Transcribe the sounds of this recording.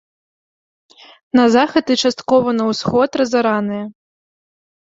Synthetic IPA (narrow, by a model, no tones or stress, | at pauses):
nɐzaxɐd̪ɨt͡ʂast̪kɔvɐnɐwsxɔt̪rɐzaɾanɨjɐ